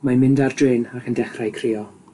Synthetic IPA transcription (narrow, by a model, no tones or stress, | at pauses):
mamɪndardreːnakʰəndɛχrajkʰrɪːɔ